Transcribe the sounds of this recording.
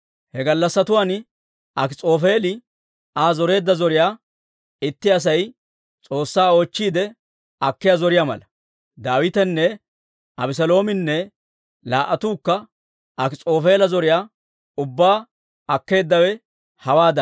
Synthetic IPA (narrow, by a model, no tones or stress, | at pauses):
hɛɡɐlːɐsːɐt̪ʊwaːn | ʔɐkɪt͡sʼo̞ːfe̞ːlɪ | aːzɔɾe̞ːd̪ːɐzɔɾɪjaː | ɪt̪ːɪɐs̬ɐj | t͡sʼo̞ːsːaːo̞ːt͡ʃːiːd̪ɛ | ɐkːɪjazɔɾɪjamɐ̰lɐ | d̪aːwɪt̪ɛnːɛ | ʔɐbɪs̬ɐlo̞ːmɪnːɛ | laːʔɐt̪uːkːɐ | ʔɐkɪt͡sʼo̞ːfe̞ːlɐzɔɾɪjaː | ʊbːaː | ɐkːe̞ːd̪ːɐwɛ | hɐwaːd̪ɐ